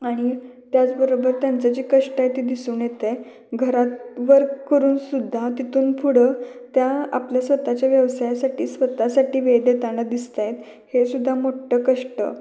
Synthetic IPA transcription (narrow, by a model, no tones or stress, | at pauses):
aɽ̃it̪jat͡sbəɾobəɾt̪jant͡sat͡ɕiːkəʂʈajet̪iːd̪isuːnjet̪e | ɡʱəɾat̪ʋəɾkəɾuːnsud̪ʱːat̪it̪uːnpʰuɽəːt̪jaa̰pljasʋət̪at͡ɕjaʋjəʋsajasaʈiːsʋət̪asaʈiːʋed̪et̪aɽ̃əd̪ist̪ajet̪ | hesud̪ʱːamoʈəkəʂʈə̰